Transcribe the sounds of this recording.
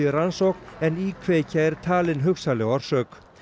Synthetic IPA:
ɪɾansoknɛnikʰveːcʰaɛɾ̥t̪ʰaːlɪnɦʏksalɛɣaɾ̥sœːk

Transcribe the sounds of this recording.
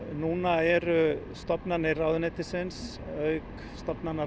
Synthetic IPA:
nuːnaɛɾʏ | st̪ɔpnanɪraːwðʏnɪt̪ɪsɪns | œɥk | st̪ɔpnana

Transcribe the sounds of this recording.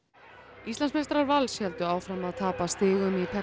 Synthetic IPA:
ist̪lansmest̪ɾaɾvalshɛlt̪ʏaːwfɾamaðt̪ʰaːpast̪ɪːɣʏmipʰɛ

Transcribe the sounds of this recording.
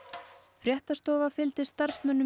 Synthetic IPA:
fɾjɛht̪ast̪oːvafɪlt̪ɪ̥st̪aɾ̥smœnːʏ

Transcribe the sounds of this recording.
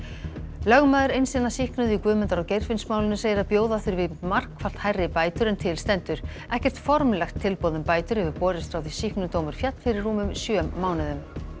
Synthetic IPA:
lœɣmaːðɪɾejnsɪnːasihknʏðʏikvʏːmɛnt̪aɾawcejɾ̥fɪnsmaːwlɪnʏseːjɪɾaðpjoːwðaθʏɾvɪmar̥kfal̥t̪hajrːɪpaːjt̪ʏɾɛnt̪ʰɪlst̪ɛnt̪ʏɾ̥ | ɛhcɛr̥t̪fɔɾmlɛxt̪ʰːɪlpowðʏmpaːjt̪ʏɾ̥hɛvɪɾpɔːɾɪst̪ɾawθisihknʏt̪oːwmʏɾ̥fjat̪l̥fɪɾɪrːuːmʏmsjœːmːaːwnɪðʏm

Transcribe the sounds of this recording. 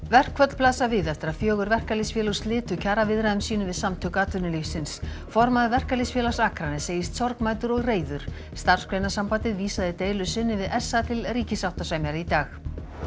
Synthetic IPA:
vɛr̥kʰvœt̪l̥plaːsavɪðɛft̪ɪɾaðfjœːɣʏɾvɛr̥kalisfjɛːlʏ̥st̪lɪːt̪ʏcʰaːɾavɪðɾaðʏmsiːnʏmvɪðsamt̪ʰœkaːt̪ʏnɪlifsɪns | fɔɾmaðvɛr̥kalisfjɛːlḁsaːkɾanɪseːjɪst̪sɔɾkmaːjt̪ʏɾɔɣreːjðʏɾ̥ | st̪ar̥skʰɾejnasampaːt̪ɪðviːsaðɪt̪eːjlʏsɪnːɪvɪðɛsːat̪ʰɪlriːcɪsaw̥t̪asvaːjmɛɾait̪aːx

